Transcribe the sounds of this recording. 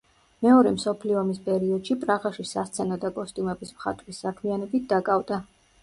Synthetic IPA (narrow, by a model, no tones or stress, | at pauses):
mɛɔɾɛmsɔpʰliɔːmispʼɛɾiɔd̪̥ʃipʼɾaʁaʃisast̪sʰɛnad̪akʼɔst̪ʼumɛbismχa̰t̪ʼwisːakʰmianɛbit̪̚ʰd̪akʼavd̪a